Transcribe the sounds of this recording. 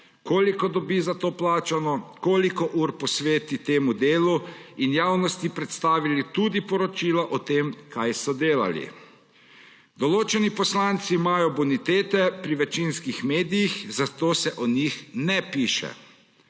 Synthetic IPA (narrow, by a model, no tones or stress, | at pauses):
koːlikɔd̪ɔbizat̪oːplaːt͡ʃanɔkoːlikɔʔuːɾpɔsʋeːt̪it̪eːmud̪eːluinjaːwnɔst̪ipɾɛt̪st̪aːʋilit̪uːd̪ipɔɾɔt͡ʃiːlaʔɔt̪eːmkʰajsɔd̪eːla̰lḭ | d̪ɔloːt͡ʃɛnipɔslaːnt̪siːmaːjɔbɔnit̪eːt̪ɛpɾiʋɛt͡ʃinskixmeːd̪ijixzat̪oːsɛʔɔnixnɛpiːʃɛ̰